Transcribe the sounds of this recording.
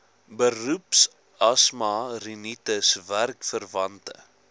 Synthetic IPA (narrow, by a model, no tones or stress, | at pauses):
bərups | ɐsmɑrinitəsværkfərvɐntə̰